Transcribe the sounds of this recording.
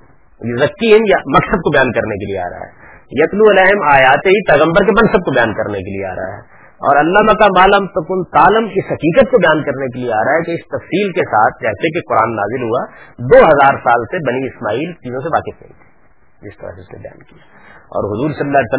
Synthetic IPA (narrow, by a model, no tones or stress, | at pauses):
jezɐkːiɦɪ̃njamɐksəd̪̚kobɐjaːnkɐɾnekeliea̰ːɾɐ̰ɦa̰ɦɛ̰ː | jɐt̪luɐlaːɦɪmaːjaːt̪eɦipɛːɣə̃mbəɾkemɐ̃nsəd̪̚kobɐjaːnkɐɾnekeliea̰ːɾɐ̰a̰ɦɛ̰ː | ɔ̰ːɾɐlːamɐkamaːlɐmt̪ɐkʊnt̪aːləmɪsɦɐkiːkət̪̚kobɐjaːnkɐɾnekelieaːɾɐaɦɛkeɪst̪ɐfsiːlkesaːt̪ʰd͡ʒɛːsek̬eqʊɾa̰ːnːa̰ːzɪlɦuad̪oːɦɐzaːɾsaːlsebɐniɪsmaːiːlt͡ʃiːzõseʋaːkɪsnɐ̰ɦḭ̃t̪ʰi̥ː | d͡ʒɪst̪ɐ̰ɾa̰ɦseʊsnḛbɐja̰ːnkija | ɔ̰ːɾɦʊzuːɾsɐlːəlːaːljsə